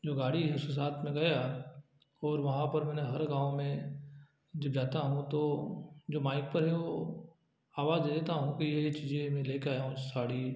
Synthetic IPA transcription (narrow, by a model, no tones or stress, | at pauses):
d͡ʒoːɡaːɽiɦɛʊskes̬aːt̪ʰmẽɡɐja | ɔːɾʋɐɦãpɐɾmɛ̃ːneɦɐɾɡãːʋõmẽ | d͡ʒɐbd͡ʒaːt̪aɦũt̪od͡ʒoːmaːɪk̚pɐɾɦɛʋo | aːʋaːzd̪eːd̪eːt̪aɦũkijet͡ʃiːd͡ʒemẽleːkeaːjaɦũɪsaːɽ̤i